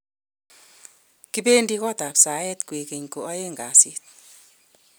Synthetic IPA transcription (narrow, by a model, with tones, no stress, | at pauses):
ki˦be˦ndi˦kɔ˦ta˨psa˨˦ɛ˦tkwe˨ke˨ɲko˨ɔ˦je˦ŋɡa˨si˦t̚